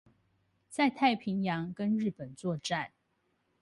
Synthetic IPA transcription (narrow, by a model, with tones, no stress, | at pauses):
t͡sa˥˧ɪt̪ʰa˥˩ɪpʰi˨˧˥ŋjɑ˧˥ŋkə˦nɻɻ̩˥˩pə˨˩nt͡swɔ˥˧ʈ͡ʂa˥˨n